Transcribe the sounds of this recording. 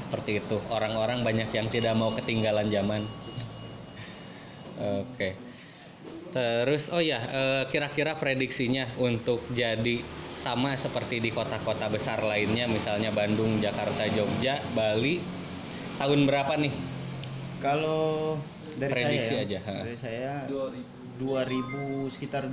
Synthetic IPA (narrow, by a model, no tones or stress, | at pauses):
sə̥pərt̪iːt̪uoɾaŋoɾaŋbaɲakjaŋt̪idak̚maukət̪iŋɡaland͡ʒaman | oke | t̪əɾʊsojaəːkiɾakiɾapɾediksiɲaunt̪ʊk̚d͡ʒadisamasəpərt̪idikot̪akot̪abəsarlaɪnɲamisalɲabandʊŋd͡ʒakart̪ad͡ʒok̚d͡ʒaʔbali | t̪aɦʊnbəɾapanɪh | kalo | daɾipɾedisiad͡ʒaɦaʔisaja | duaɾibusə̥kit̪ar